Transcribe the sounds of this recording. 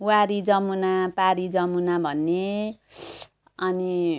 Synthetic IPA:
waɾid͡zʌmunapaɾid͡zʌmunabʱʌnːe | ʌni

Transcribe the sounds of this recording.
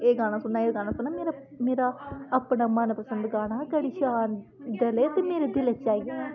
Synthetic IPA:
eːɡaːɽ̃aːsʊnaːeːɡaːɽãːsʊnaːmeːɾa | meːɾaːəpɳaːmənpəsənd̪ɡaːɽ̃aːkɛːɽiːʃaːn | d̪eleːt̪eːmeːɾeːd̪ɪleːt͡ʃaːiːeː

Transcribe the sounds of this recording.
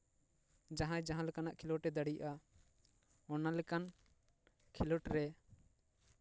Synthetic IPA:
d͡ʒãɦãjd͡ʒaɦãlɛkanaʔkʰilɔʈɛd̪aɽiʔa | ɔnalɛkan | kʰilɔʈɾɛ

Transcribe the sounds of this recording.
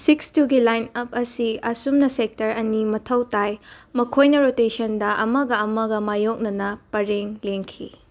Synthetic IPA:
sikstuɡilajnɐp̚ɐsiɐsumnɐsek̚tɐɾɐnimɐtʰɐwtajmɐkʰojnɐɾotesɐndɐʔɐmɐɡɐɐmɐɡɐmajok̚nɐnɐpɐɾeŋleŋkʰḭ

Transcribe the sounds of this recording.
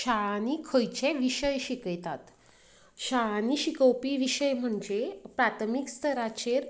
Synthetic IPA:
ɕanikʰəjt͡ɕeʋiɕəjɕikjt̪at̪ | ɕaniɕikəwpiːʋiɕəjm̤əɳd͡zepɾat̪ʰmikst̪ʰəɾat͡ɕeɾ

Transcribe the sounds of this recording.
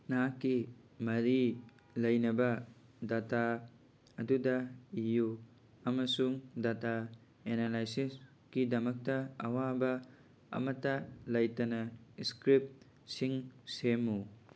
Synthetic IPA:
nakːimɐɾi | lɐjnɐbɐdata | ɐdudɐiju | ɐmɐsuŋdata | enalajsis | kidɐmɐk̚tɐɐwabɐ | ɐ̰mɐtːɐlɐjtɐnɐiskɾip̚ | siŋsemu

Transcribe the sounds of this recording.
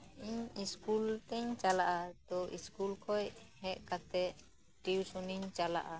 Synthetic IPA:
iɲiskult̪ɛɲt͡ʃalaʔat̪ɔiskulkʰɔjhɛʔkat̪ɛʔ | ʈiwsuniɲt͡ʃala̰ʔa

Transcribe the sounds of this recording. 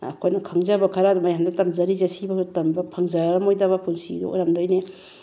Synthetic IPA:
ɐ̰kʰojnɐkʰɐŋzabɐkʰɐɾadumajamdɐtɐmzɐɾizɐsibɐtɐmbɐpʰaŋzaɾɐmojdaβɐpʰunsido̰o̰jɾamdojne

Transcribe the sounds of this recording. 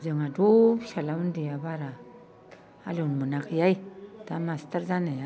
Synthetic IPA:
zɯŋadusalaundijabaɾa | a̰lonmɯnakɯjajtamastaɾzanaja

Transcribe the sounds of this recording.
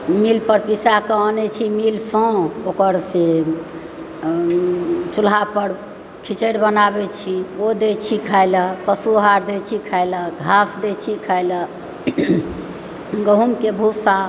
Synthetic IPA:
milpəɾpisakəɔnɛt͡ʃʰimilsə̃okəɾse | t͡ʃulɦapəɾ | kʰit͡ʃəɾbənabɛt͡ʃʰiod̪et͡ʃʰikʰajləpəsuɦaɾd̪et͡ʃʰikʰajləɡʱasd̪et͡ʃʰikʰajlə | ɡəɦumkebʱusa

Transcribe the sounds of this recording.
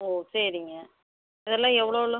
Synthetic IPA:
oːsɛɾɪŋɡɐ | ɪðɛlːãːɛʋːɐɭoːlɯ

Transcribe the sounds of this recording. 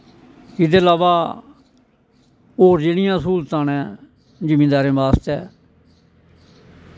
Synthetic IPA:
ɪd̪eːlaːʋaː | oːɾd͡ʒeːɽɪjãːsuːlt̪ãːnɛ̃ː | d͡ʒəmĩːd̪aːɾẽːbaːst̪ɛː

